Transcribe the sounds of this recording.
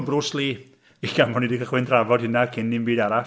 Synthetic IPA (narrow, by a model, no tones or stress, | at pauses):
brʊslˠi | iɡamɔnidikʰəχwɪndravɔd̥hɪnakʰɪnːɪmbiːdaɾa